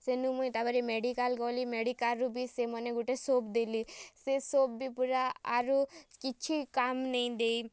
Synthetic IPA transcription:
senumuĩt̪abəɾimeɖikalɡolimeɖikalɾubʱisemɔneɡuʈesoːbd̪elisesoːbbʱipuɾaa̰ɾukit͡ʃʰikamnəĩd̪ei

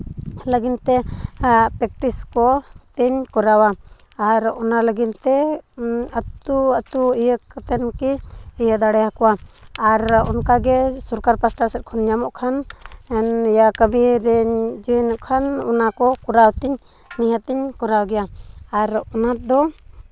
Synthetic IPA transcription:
ləɡint̪ɛ | pɾɛk̚ʈiskɔt̪ɛɲkɔɾawaː | ɾɔnaləɡint̪ɛ | ət̪uət̪uijəkat̪ɛnkiijəd̪aɽɛakɔwaːɾɔnkaɡɛsɔɾkaɾpasʈasɛt̪̚kʰɔnɲamɔʔkʰanɛnjakəmiɾɛd͡ʒiɛnəʔkʰanɔnakɔkɔɾawt̪ɛɲ | niɦət̪ɛɲkɔɾawɡɛjaːɾɔnat̪̚d̪ɔ

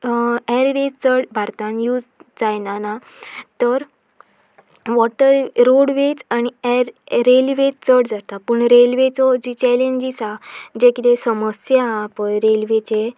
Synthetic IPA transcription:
ɛɾʋet͡səɽbʱaɾt̪ãnjuːd͡zd͡zajnana | t̪əɾ | ʋɔʈəɾɾoɽʋet͡sañiɛɾɾelʋet͡st͡səɽd͡zat̪apəɳɾelʋet͡sɔd͡ʑit͡ɕɛlẽɲd͡ʑisad͡ʑẽkit̪esəməsjaːpəjɾelʋet͡ɕe

